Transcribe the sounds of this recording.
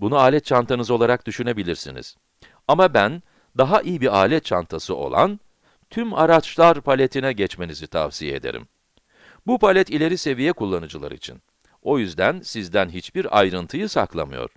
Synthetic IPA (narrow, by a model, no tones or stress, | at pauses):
bunuaːlʲɛt̪̚t͡ʃant̪ʰanɯzo̞lˠaɾak̚d̪yʃyne̞bilʲiɾsḭnḭz̥ | amabæn | d̪aɦaʔijibiaːlʲɛt̪t͡ʃʰant̪ʰasɯo̞̰lˠa̰n | t̪ʰymaɾat͡ʃlˠaɾpʰalʲet̪ʰinɛɟɛt͡ʃme̞nizit̪ʰa̰vsijeḛd̪eɾḭm | bupʰalʲɛt̪ilʲe̞ɾise̞vijɛkulˠːanɯd͡ʒɯlˠa̰ɾḭt͡ʃʰḭn | o̞jyzd̪ænsizd̪ænɦit͡ʃbiɾa̰jɾɯnt̪ʰɯjɯsa̰klˠa̰mɯ̰jo̞̰ɾ̥